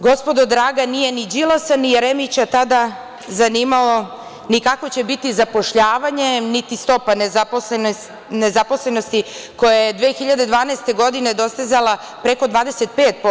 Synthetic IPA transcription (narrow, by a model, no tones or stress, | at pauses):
ɡo̞spo̞d̪od̪ɾaːɡanije̞nid͡ʑilˠasanijeɾemit͡ɕat̪ad̪a | zaniːmao | nikako̞t͡ɕe̞bit̪izapo̞ʃʎaːʋaɲe̞nit̪ist̪o̞panezapon | nezapo̞sle̞no̞st̪iko̞jajed̪ʋeːxiʎad̪e̞d̪ʋaːneːst̪e̞ɡo̞d̪ine̞d̪o̞st̪ezalˠa | pɾe̞ko̞d̪ʋaːd̪eset̪̚peːt̪̚po